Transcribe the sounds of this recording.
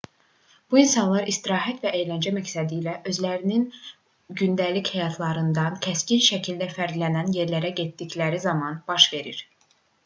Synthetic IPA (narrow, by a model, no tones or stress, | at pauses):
b̥uinsɑnlˠɑɾist̪iɾɑːɦæt̪væʔe̞jlænd͡ʒæmæcsæd̪iːlæʔø̞zlæɾinin | ɟynd̪ælichɛjɑt̪ʰlˠɑɾɯnd̪ɑncʰæscinʃæcʰild̪æfæɾd̪lænænje̞ɾlæɾæɟe̞t̪d̪iclæɾizɑmɑnb̥ɑʃve̞ɾiɾ̥